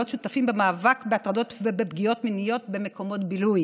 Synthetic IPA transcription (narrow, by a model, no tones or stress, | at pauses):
otʃut̪afimbemaːvakbeat̪ʁado̞t̪vebebɡio̞tminijo̞tbe̞me̞ko̞mo̞tbiluj